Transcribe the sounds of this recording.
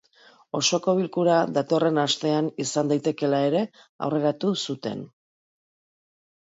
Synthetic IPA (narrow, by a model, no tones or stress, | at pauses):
o̞so̞ko̞βilkuɾaðat̪o̞re̞nast̪e̞anisand̪ajt̪e̞ke̞lae̞ɾe̞ | a̰wre̞ɾat̪usut̪e̞̰n